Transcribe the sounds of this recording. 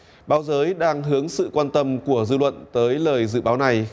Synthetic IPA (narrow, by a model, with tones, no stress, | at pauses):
ɓaː˨˦wzəː˨˦jɗaː˧ŋɦɨ˨˦əŋsɨ̰˧˨kwaː˧nt̪ə˧mku˧˩əzɨ˧lwə̰˧˨nt̪əː˨˦jləː˨˩jzɨ̰˧˨ɓaː˨˦wna˨˩j